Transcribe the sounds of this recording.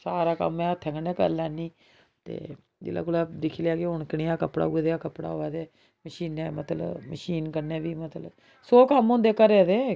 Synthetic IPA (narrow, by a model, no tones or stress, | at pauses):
saːɾaːkə̰mɛ̃ːʊt̪ʰːɛ̃ːŋɡəneːkə̰ɾlɛːnĩː | t̪ḛː | d͡ʒḛːla̰ːkʊlad̪ɪkʰːljaːkeʊɳkiːaːkəpɽa̰ːud̪eːaːkəpɽa̰ːɦoːɛːd̪eː | məʃiːnɛ̃ːmət̪lə̰məʃiːnkəɾnẽːbiːmət̪lə̰ | soːkəmʊ̃nd̪eːkəɾeːd̪eː